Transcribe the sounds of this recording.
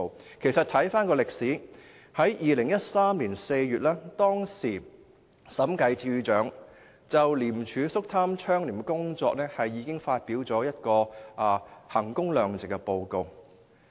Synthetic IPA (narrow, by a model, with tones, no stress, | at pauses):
w | kʰe˨˩jsɐ˨t̪ʰɐ˨˥jfaː˥nkɔː˧lɪ˨k̚siː˨˥ | hɐ˨˥jjiː˨lɪ˨˩ŋjɐ˥t̚saː˥mliː˨˩nse˧jɥyː˨t̚laː˥t̪ɔː˥ŋsiː˨˩ | sɐ˨˥mkɐ˧jt͡sʰiː˧t͡ʃœː˨˥ŋ | t͡sɐ˨wliː˨˩mt͡ʃʰyː˨˧sʊ˥k̚t̪ʰaː˥mt͡ʃʰœː˥ŋliː˨˩kʊ˥ŋt͡sɔ̰ː˧k̚nɛː˥hɐ˨jːiː˨˧kɪ˥ŋfaː˧t̚piː˨˥wt͡sɔː˨˥jɐ˥t̚kɔː˧ʔaː˨˩hɐ˨˩ŋkʊ˥ŋlœː˨ŋt͡sɪ˨kːɛ˧po˧wko˨w